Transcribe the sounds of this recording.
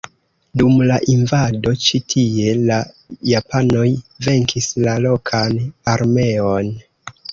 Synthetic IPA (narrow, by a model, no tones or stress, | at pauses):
dumlaʔinvado̞t͡ʃitʰie̞la | japʰano̞jve̞ŋkʰislalo̞kʰanaɾme̞o̞n